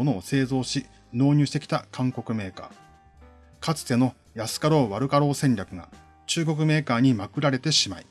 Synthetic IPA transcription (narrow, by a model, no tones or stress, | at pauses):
ono̞ːse̞ːzo̞ːɕi | no̞ːɲ̟ɨːɕi̥t̪ekʲi̥t̪akãŋko̞kɯ̟me̞ːka̰ː | kat͡sɨ̥t̪e̞no̞ | jasɨ̥kaɾo̞ːβaɾɯ̟kaɾo̞ːsẽ̞ɲɾʲakɯ̟ɡa̰ | t͡ɕɨːɡo̞k̬ɯ̟me̞ːkaːɲ̟imakɯ̟ɾaɾe̞t̪e̞ɕimai